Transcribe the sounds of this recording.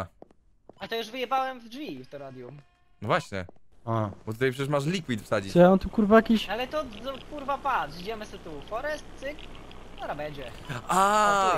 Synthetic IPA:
a | at̪ɔjuʐvɘjɛbawɛmvdvʲift̪ɔɾad̪ʲjum | nɔvwaɕɲɛ̰abɔt̪ut̪ajpʂɛt͡ɕɛʂmaʂ̬lʲikwit̪fsad͡ʑisjant̪ukuɾvajakʲiɕalɛt̪ɔzɔkuɾvapat̪d͡ʑɛmɘsɛt̪ufɔɾɛst̪̚sɨk | t̪ɔɾabɛɲd͡ʑɛ | a

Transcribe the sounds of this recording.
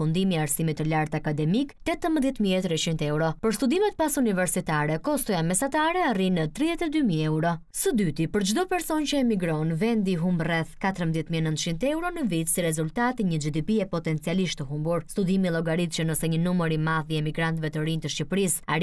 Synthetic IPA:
und̪imiaɾsimit̪ːəlaɾt̪akad̪ɛmikt̪ɛt̪əməðjɛt̪miɛt̪ɾɛt͡ʃint̪ɛuɾɔpəɾst̪ud̪imɛt̪̚pasunivɛɾsit̪aɾɛkɔst̪ɔjamɛsat̪aɾɛarinət̪ɾiðɛt̪ɛd̪ymiɛuɾɔ | səd̪yt̪ipəɾd͡ʒd̪ɔpɛɾsɔncəɛmiɡɾɔnvɛnd̪iɦumbrɛθkat̪əɾəmbəðjɛt̪miɛnənt̪t͡ʃint̪əɛwɾɔnəvit̪siɾɛzult̪at̪iɲəd͡ʒid̪ipiɛpɔt̪ɛnt͡sialiʃt̪əɦumbuɾst̪ud̪imilˠɔɡaɾit̪t͡ʃənəsɛɲənuməɾimaðiɛmiɡɾant̪vɛt̪əɾint̪əʃcipɾisaɾ

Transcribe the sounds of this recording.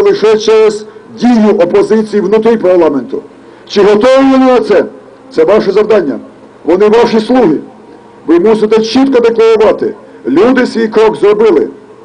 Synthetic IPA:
lˠɪʃɛt͡ʃɛɾɛz̥dʲijʊʔɔpɔzɪt͡sʲijiwnʊt̪ɾipɐrlˠɑment̪ʊ | t͡ʃɪɦɔt̪ɔʋɪʋɔnɪnɐt̪sɛ | t̪sɛʋɑʃɛzɐwd̪ɑnʲːɐ̰ | ʋɔnɪʋɑʃislˠuɦʲi | ʋɪmusɪt̪ɛt͡ʃit̪kɐd̪eklˠɐɾʊʋɑt̪ɪ̰ | lʲud̪ɪsʲʋʲijkɾɔɡzɾɔbɪlˠɪ

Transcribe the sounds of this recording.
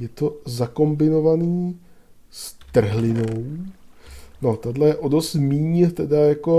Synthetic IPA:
jɛt̪o̞zako̞mbɪno̞vaniː | st̪r̩ɦlɪnow | not̪adlɛjɛʔodo̞st̪miːɲɛt̪ɛdajako̞

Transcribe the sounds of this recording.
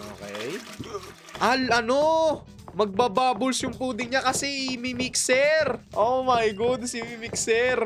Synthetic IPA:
ʔoːkɛj | ʔɐlʔɐno̞ | mɐɡ̚babaːbʊlsjʊŋpuːd̪ɪŋɲakɐsɛʔmimiksɛɾʔomɐjɡʊd̪sɪmimiksɛɾ

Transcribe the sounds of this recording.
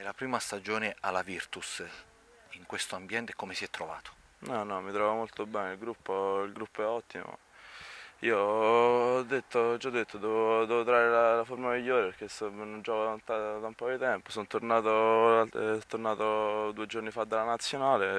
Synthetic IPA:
elapɾiːmast̪ad͡ʒoːnealavirt̪us | iŋkwest̪oambjɛnt̪ekːomesiɛt̪ːɾova̰ːt̪o̥ | nɔnɔmit̪ɾɔːvamolt̪obɛːneilɡɾupːoilɡɾupːoɛɔt̪ːimo̰ | iːo | d̪ːet̪ːot͡ʃɔd̪ːet̪ːod̪ɛːvod̪ɛːvot̪ɾaːɾelalaformamiʎːoːɾepeɾk̟esːonːond͡ʒɔːkod̪ant̪ad̪aumpɔd̪it̪ɛmposont̪ornaːt̪oalt̪t̪ːornaːt̪od̪uːed͡ʒornifad̪ːalːanat̪sːjonaːle

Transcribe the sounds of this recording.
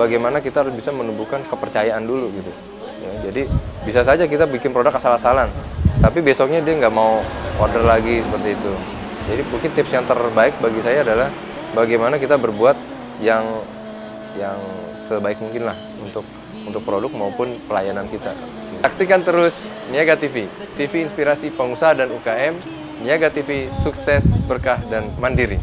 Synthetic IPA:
baɡajmanakit̪aɦaɾʊsbisamənubukankəpərt͡ʃajaʔanduluɡit̪u | jad͡ʒadibisas̬ad͡ʒak̬it̪abikɪnpɾodakasalasalant̪apibesɔk̚ɲadiaŋɡaʔmaukɔrdərlaɡisəpərt̪iːt̪u | d͡ʒadibuŋkɪnt̪ɪpsjaŋt̪ərbaɪk̚baɡisajaːdalah | baɡajmanakit̪abərbuat̪̚ | jaŋ | jaŋ | səbaɪk̚muŋkɪnlah | unt̪ʊk̚ | unt̪ʊk̚pɾodʊk̚maupʊnpəlajanankit̪a̰ | saksikant̪əɾʊs | niaɡat̪ifit̪ifiːnspiɾasipəŋusaɦadanukaɛm | niaɡat̪ifisuksɛsbərkahdanmandiɾi

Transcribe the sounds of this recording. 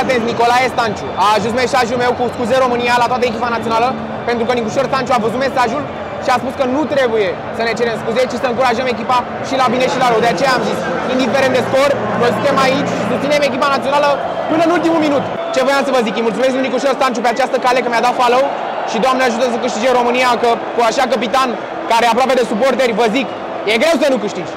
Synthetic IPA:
at̪ent̪ʲniko̞lajest̪ant͡ʃuaːʒunsme̞saʒulme̞wkuskuzeɾo̞mɨnijalat̪oat̪əekʲipanat̪sio̞nalə | pe̞nt̪ɾukənikuʃorst̪ant͡ʃuavəzut̪mesaʒul | ʃiaspuskənut̪ɾe̞buje̞ | səne̞t͡ʃe̞ɾemskuzet͡ʃisəɨŋkuɾaʒəme̞k̬ʲipa | ʃilabine̞ʃilaɾəwd̪eat͡ʃejaːmzisind̪ife̞ɾent̪d̪espor | vəzut̪emait͡ʃʲʃisust̪sineme̞k̬ʲipanat̪sionalə | pɨnəɨnult̪̬imulminut̪ | t͡ʃe̞vojamtsəvəzikɨjmult̪sumesknunikuʃorsant͡ʃupeat͡ʃast̪əkale̞kəmjad̪at̪faləw | ʃid̪oamneaʒut̪əs̬əkɨʃt̪id͡ʒero̞mɨnijakəkuaʃakəp̬it̪an | kaɾeap̬ɾoaped̪e̞supo̞rt̪̬erʲvəzik | je̞ɡɾe̞ws̬ənukɨʃt̪id͡ʒʲ

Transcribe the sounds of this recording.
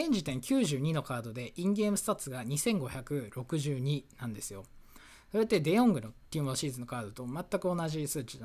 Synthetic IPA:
ẽ̞ɲ̟d͡ʑit̪ẽ̞ŋkʲɨːʑɨːɲ̟ino̞kaːd̪o̞d̪e̞ʔĩŋɡe̞ːmɯ̟st̪at͡sɨɡaɲ̟isẽ̞ŋɡo̞çakɯ̟ɾo̞kɯ̟ʑɨːɲ̟inãnd̪e̞sɨjo̞ | so̞ɾe̞t̪ːe̞d̪e̞õ̞ŋɡɯ̟no̞t̪ʲiːmoɕiːzɨno̞kaːd̪o̞t̪o̞mat̪ːakɯ̟o̞naʑisɨːt͡ɕina

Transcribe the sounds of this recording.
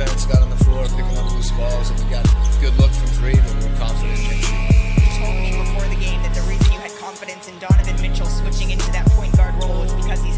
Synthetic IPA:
ɛ̃nsɡ̥ɑɾn̩ðəflɔɹpʰɪkɪ̃ŋʌpðiz̥fɔlˠzə̃n̩eɡɑt̚ɡ̥ʊdˡlʊkfʌ̃mkʰɹ̥eɪ̃ɨ̃nə̃˞kʰɑ̃ɱfəɾɨ̃nʃɨ̃itʰoʊlˠd̚mibəfɔɹðɨɡẽɪ̃mðɨt̪̚ðɨɹivjʉɨd̚kʰɑ̃ɱfɨɾɨ̃nsɨ̃n̩dɑñɨvɨ̃nmɪt͡ʃl̩ˠswɪt͡ʃɪ̃ŋɪ̃ntʉðɨt̚pʰɔ̃ɪ̃nɡ̥ɑɹd̚ɹoʊlˠɪzbɨkʰʌz̥iz

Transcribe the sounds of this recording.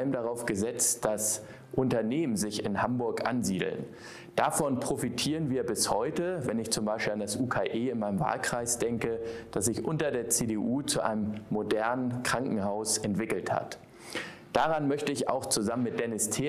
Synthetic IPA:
lmdaʁ̞aʊfɡ̥əzɛt͡std̥as | ʔʊntɐneːmənzɪçɪnhambʊɐkʔa̰nziːdl̩n | d̥aːfɔnpʁ̥ofitʰiːʁənviːɐbɪshɔ̰ʏtəvɛnɪçt͡sʊmbaɪʃpiːlandasʔuːkʰaːʔeːɪnmaɪnəmva̰ːlkʁ̥aɪsd̥ɛŋkəd̥asz̥ɪçʔʊntɐdeːɐt͡seːdeʔuːt͡suʔa̰ɪnəmmːodɛɐnənkʁ̥aŋkŋ̩haʊsɛntv̥ɪkl̩tha̰t | d̥aʁ̞anmœçtəɪça̰ʊxt͡suzamənmɪt̚d̥ɛnɪstʰeː

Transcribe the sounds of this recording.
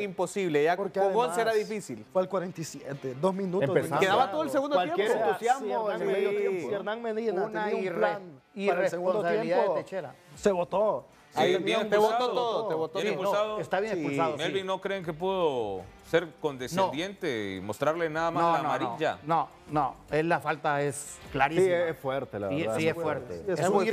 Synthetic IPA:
impo̞siβleʝapoɾkoɣonseɾaðifisilfwelkwaɾent̪ajsjet̪ed̪ozmĩnuteoesakeðaβat̪oðoels̬eɣund̪owajemeɾent̪usjazmoaeoeɾnãŋmeðeneauɾen | ieeseɣũnd̪ost̪jemapoet͡ʃeɾa̰seβot̪o | saet̪eotaot̪oðoeβot̪osunsaðoest̪aβjenespussaðomelβinokɾeːŋk̬epweðoseɾkond̪esnaod̪jent̪eimost̪ɾaɾlenaðamanoanmaɾioʝa̰no | noellːafalt̪ae̞sklaɾisiesfweɾt̪elaiesiesfweɾt̪eemu

